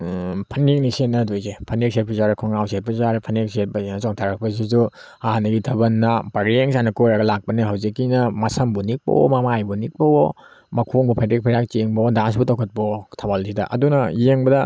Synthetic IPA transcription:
pʰɐnek̚nisenːɐdojzepʰɐnek̚set̚pʰɐzaɾɐkʰɔŋawset̚pʰɐzaɾpʰɐnekset̚pɐzenɐt͡ʃɔŋtʰaɾɐk̚pɐsizu | aɦanɐɡitʰɐbɐnːɐpɐɾeŋsanɐkojɾɐɡɐlak̚pɐniɦawzikːinɐmɐsɐmbunik̚pɐ̰ɔ̰mɐmajbunik̚pɐo | mɐkʰoŋbɔpʰetɾik̚pʰiɾjak̚t͡ʃeŋbɔdans̬butawkʰɐt̚pɔtʰabalzidɐ̰ʔɐ̰dunɐjeŋbɐdɐ

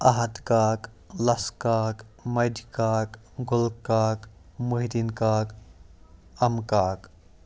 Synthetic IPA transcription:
ɐɦɐd̪kaːk | lɐskaːkmɐdkaːk | ɡʊlkaːk | muɦid̪inkaːk | ɐmkaːk

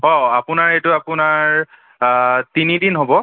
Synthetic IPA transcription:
ɦɔapʊnaɹejtʊapʊnaɹ | tinidinɦobɔ

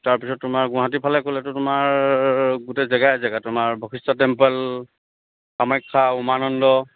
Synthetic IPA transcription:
taɹpisɔtːʊmaɹɡʊ̃ɦat̬ipʰalɛkolɛtʊtʊmaɹ | ɡutɛzɛɡajzɛɡatʊmaɹbʱɔkistatɛmpɛl | xamɔjkʰːaumanɔndɔ

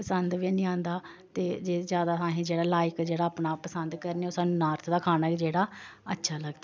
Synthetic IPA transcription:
pəsənd̪ʋinĩːãːnd̪aː | t̪eːd͡ʒeːzjaːd̪aːsãːɦĩːd͡ʒeːɽaːlaːɪkd͡ʒeːɽaːaːpɳaːpəsənd̪kəɾneːoːsaːnũːnaːɾt̪ʰd̪aːkʰaːnaːd͡ʒeːɽaːətːʃʰaːləɡd̪aː

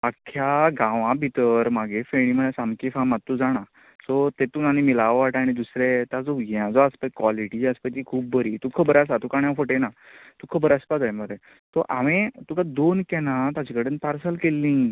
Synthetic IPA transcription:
akʰːjaɡãʋãbʱit̪əɾmaɡefeɽ̃iməsamkifamat̪ːuːd͡zaɽ̃a | sɔt̪et̪uːnanimilaʋʋaʈaɽ̃id̪usɾet̪ãd͡zɔɦãd͡zɔaspəkʋaliʈiaspət͡ɕikʰuːb̚bəɾiːt̪uːkʰəbəɾas̬at̪ukaɽ̃jãfəʈenat̪ukʰəbəɾaspad̪ajməɾe | t̪ɔʔaʋẽt̪ukad̪onkɛ̃nat̪ad͡ʑikəɽənpaɾsəlkelːĩː

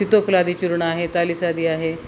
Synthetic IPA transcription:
sit̪oklad̪iːt͡ʃuɾɳaːɦet̪alisad̪iːaɦe

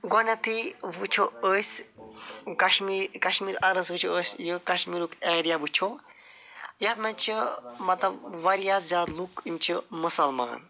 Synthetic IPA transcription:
ɡɔnʲɐt̪ʰiʋut͡ʃʰoəːsʲ | kɐʃmiːɾkɐʃmiːɾɐɾɐnsʋɨt͡ʃʰoəːsʲjɨkɐʃmiːɾukeːɾijaʋut͡ʃʰo | jɐt̪mɐnʲt͡ʃʰimɐt̪lɐbʋɐɾijaːszaːd̪lukimt͡ʃʰimɨsɐlmɐ̰ːn

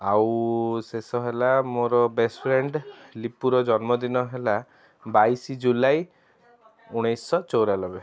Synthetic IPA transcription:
awsesɔɦelamoɾɔbespʰɾeɳɖlipuɾɔd͡ʒɔnmɔd̪inɔɦela | bajsid͡ʒulaj | uɽ̃ejsɔt͡ʃowɾalɔbe

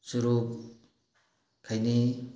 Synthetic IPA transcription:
suɾup̚ | kʰajni

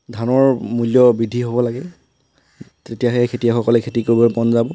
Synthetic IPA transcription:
dʱanɔɹmuljɔbidʱiɦobɔlaɡɛ | tetijaɦɛkʰetijaxɔkɔlɛkʰetikoɹibɔpɔnzabɔ

